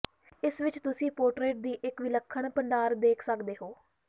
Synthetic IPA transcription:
ɪsʋɪt͡ʃt̪ʊsĩːpoːɾʈɾeːʈ̚d̪iːʔɪkʋɪləkʰːəɳpəɳɖaːɾd̪eːkʰsəkd̪eːɦoː

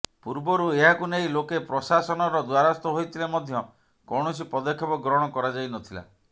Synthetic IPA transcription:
puɾbɔɾueɦakuneilokepɾɔsasɔnɔɾɔd̪waɾast̪ɔɦojt̪ʰilemɔd̪ʱjɔ | kɔwɽ̃ɔsipɔd̪ɔkʰːɔpɔɡɾɔɦɽ̃ɔkɔɾad͡ʒajnɔt̪ʰila̰

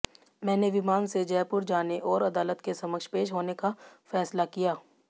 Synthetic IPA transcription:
mɛ̃ːneʋɪmaːnsed͡ʒɛːpʊɾd͡ʒaːneʔɔːɾɐd̪aːlət̪kesɐməkʃpeːʃɦoːnekafɛːslakijaː

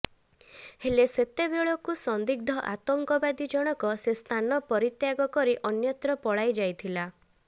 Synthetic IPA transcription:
heleset̪ebjeɭɔkusɔnd̪iɡ̚d̪ʱɔʔa̰t̪ɔŋkɔbad̪id͡ʒɔɽ̃ɔkɔsest̪ʰanɔpɔɾit̪jaɡɔkɔɾiʔɔnjɔt̪ɾɔpɔɽajd͡ʒajt̪ʰila

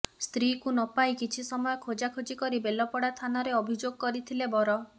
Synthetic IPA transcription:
st̪ɾikunɔpaikit͡ʃʰisɔmɔjɔkʰod͡ʒakʰod͡ʒikɔɾibelɔpɔɽat̪ʰanɔɾeɔbʱid͡ʒoɡɔkɔɾit̪ʰilebɔɾɔ

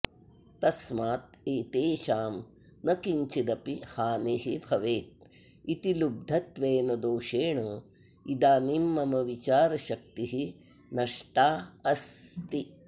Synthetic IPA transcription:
t̪ɐsmaːt̪̚eːt̪eːʃaːm | nɐkiɲt͡ʃid̪ɐpihaːneɦibʱɐʋeːt̪̚ | it̪ilub̚d̪ʱɐt̪ʋeːnɐd̪oːʃeːɳɐ | id̪aːnimːɐmɐʋit͡ʃaːɾɐʃɐk̚t̪iɦi | nɐʂʈaːɐst̪i

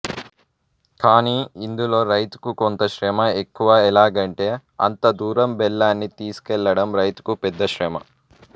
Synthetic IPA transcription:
kaːniːind̪ulo̞ːɾɐjt̪u̥kukont̪ɐʃɾɛːmɐekːuʋɐːɛlaːɡɐɳʈe̞ːɐ̰nt̪ɐd̪uːɾɐmbɛlːaːnːit̪iːsu̥kɛlːɐɽɐmɾɐjt̪u̥kupɛd̪ːɐʃɾɛːmɐ̰

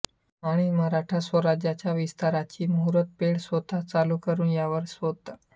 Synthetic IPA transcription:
aɽ̃iːməɦɾaʈʰasʋəɾad͡ʑjat͡ɕjaʋist̪aɾat͡ɕiːmuɾət̪̚peɽsʋət̪ʰat͡saluːkəɾuːnjaʋəɾsʋod̪̚t̪a

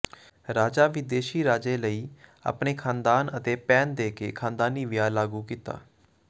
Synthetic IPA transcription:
ɾaːd͡ʒaːʋɪd̪eːʃiːɾaːd͡ʒeːləiːa̰ːpneːkʰãːnd̪aːnət̪eːpɛːnd̪eːkeːkʰãːnd̪aːniːʋɪjaːlaːɡuːkiːt̪a̰ː

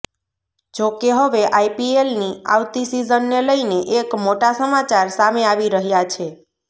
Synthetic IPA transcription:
d͡ʒokeɦəʋeʔajpielnia̰wt̪isizənːeləjneʔekmoʈasəmat͡ʃaɾsameaʋiɾəɦjat͡ʃʰe

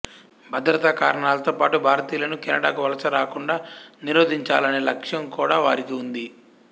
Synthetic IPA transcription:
bʱɐd̪ɾɐt̪ɐkaːɾɐɳaːlɐt̪oːpaːʈubʱaːɾɐt̪iːlɐnukɛnɐɽa̰ːkuʋɐlɐsɐɾaːkuɳɖaːniɾoːd̪ʱiɲt͡ʃaːlɐne̞ːlɐkʂjɐmkuːɽaːʋa̰ːɾikiund̪i

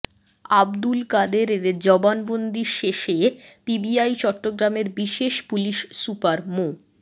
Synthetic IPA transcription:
abd̪ulkad̪eɾeɾd͡ʑɔbanbond̪ʱiɾʃeʃepibiajt͡ɕɔʈːoɡɾameɾbiʃeʃpuliʃsupaɾmo

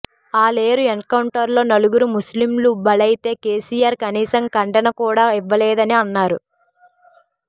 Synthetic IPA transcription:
aːle̞ːɾuenkɐwɳʈɐɾlo̞ːnɐluɡuɾumuslimlubɐlɐjit̪e̞ːke̞ːsiːjaːɾkɐniːsɐŋkɐɳɖɐnɐkuːɽaːiʋːɐleːd̪ɐniɐnːaːɾu

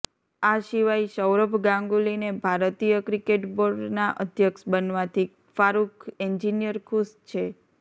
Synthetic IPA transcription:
aʃiʋaiʃəwɾəbʱɡãŋɡulinebʱaɾt̪ijəkɾikeʈboɾɖnaʔəd̪ʱjəksbənʋat̪ʰi | faɾukʰeɲd͡ʒinijəɾkʰust͡ʃʰe

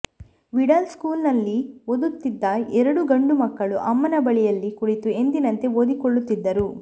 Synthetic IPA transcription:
ʋiɽɐlskuːlnɐlːiod̪ut̪ːid̪ːɐɛɾɐɽuɡɐɳɖumɐkːɐɭuʔɐmːɐnɐbɐɭijɐlːikuɽit̪ue̞nd̪inɐnt̪e̞od̪ikoɭːut̪ːid̪ːɐɾu

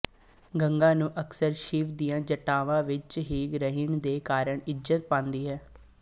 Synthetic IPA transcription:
ɡəŋɡãːnũːʔəksəɾʃiːʋd̪ijãːd͡ʒəʈaːʋãːʋɪt͡ʃɦiːɡɾəɦɪɳd̪eːkaːɾəɳɪd͡ʒzət̪̚pãːnd̪iːɦɛː

